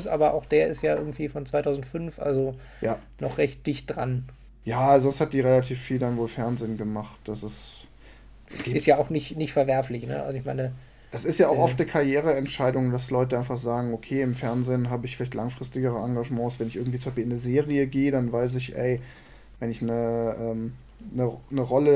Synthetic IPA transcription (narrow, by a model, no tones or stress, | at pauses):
sʔa̰ːbɐʔa̰ʊxd̥eːɐɪstjaːʔɪɐɡŋ̩tv̥iːfɔnt͡sv̥aɪtʰaʊzn̩tfʏnfʔa̰lzo | jaː | nɔχʁɛçt̚d̥ɪçt̚d̥ʁa̰n | jaːzɔnsthatd̥iːʁelatʰiːfːiːldanvoːlfɛɐnzɪːnɡəmaχt̚d̥asɪs | ɡ̥eɪsjaːʊxnɪçnɪçtfɛɐvɛɐflɪçnə̰ʔa̰lzoɪçmaɪnə | ʔɛsɪstjaːʔaʊxʔɔftnəkʰaʁjeːʁ̞əɛntʃaɪdʊŋdaslɔʏtəʔaɪ̃nfaχz̥aːɡŋ̩okʰeːɪmfɛɐnzeːnɦaːbəɪçfɪlaɪçtlʔaŋfʁ̥ɪstɪɡəʁ̞əaŋɡaʒmɑ̃ːsv̥ɛnɪçʔɪɐɡŋ̩tv̥iːt͡sʊmbaʃpiɪnəzeːʁiəɡeːədanvaɪs̬ɪçʔɛ̰ɪ | vɛnɪçnəʔɛːm | nənəʁɔlə